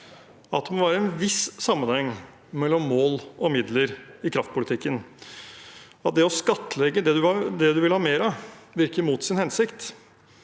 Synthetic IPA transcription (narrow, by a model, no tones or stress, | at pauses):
ɑt̪̚d̪ɛmɔʋæːɾəɛnʋɪssɑmːənhɛŋː | mɛlːɔmːoːlɔmɪd̪ləɾɪkʰɾɑft̪̚pʊlɪt̪ʰɪkːən | ɑt̪̚d̪ɛɔskɑt̪ːəlɛɡːəd̪ɛd̪ʉɑd̪ɛd̪ʉʋɪlhɑːmeːɾɑʋɪɾkəɾmuːt̪sɪnhɛnsɪkt̪